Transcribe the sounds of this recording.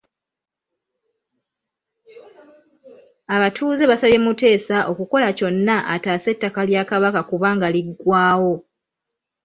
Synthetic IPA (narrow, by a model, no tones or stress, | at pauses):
aβatʰuːze̞βasaβje̞mute̞ːsaʔo̞kuko̞laco̞nːaʔataːse̞tːakaljaːkaβakakuβaːŋɡaliɡwaːwo̞